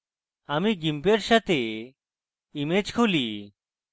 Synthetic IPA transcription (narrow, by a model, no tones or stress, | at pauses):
amiɡimpeɾʃat̪e | imed͡ʑkʰuli